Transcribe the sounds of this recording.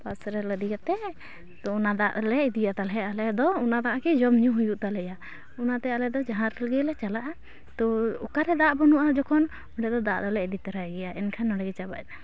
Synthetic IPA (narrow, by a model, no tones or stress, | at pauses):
pasɾɛləd̪iɡat̪ɛ | t̪ɔunad̪aʔlɛid̪ijat̪alɦɛalɛd̪ɔunad̪aʔakɛd͡ʒɔmɲuɦujuʔt̪alɛja | unat̪ɛalɛd̪ɔd͡ʒaɦãɾtɛlɡɛlɛt͡ʃalaʔa | t̪ɔɔkaɾɛd̪aʔbɔnuʔad͡ʒɔkʰɔn | ɔɖɛd̪ɔd̪aʔd̪ɔlɛɛd̪it̪ɾajɡɛjaɛnkʰanɔɖɛɡɛt͡ʃaba̰a